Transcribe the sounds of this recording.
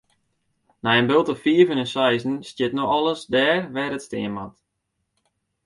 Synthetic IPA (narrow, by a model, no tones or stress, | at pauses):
najənbɪlˠtəfiəvənənsɛjzn̩stjɪtnoxɔlˠəsdɛːrʋɛɾətstɪ̰əmat